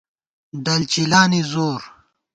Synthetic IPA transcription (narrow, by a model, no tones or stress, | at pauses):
d̪ɐlt͡ɕilaːnizoːɾ